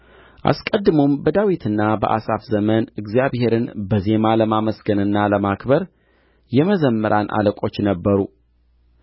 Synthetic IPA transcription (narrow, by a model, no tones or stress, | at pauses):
ʔa̰skʼəd̪ːɨmombəd̪awit̪ʰɨnːabə̰ʔasafzəmənɨɡzijaβhe̞ɾɨnbəze̞maləmaməsɡənɨnːaləmakbəɾ | jɛməzəmːəɾʔanʔa̰ləkʷʼo̞t͡ʃːnəbːəɾu